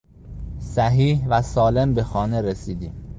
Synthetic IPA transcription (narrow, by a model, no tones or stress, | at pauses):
sæɦiːhvæsɒːle̞mbe̞xɒːne̞ɾesiːd̪iːm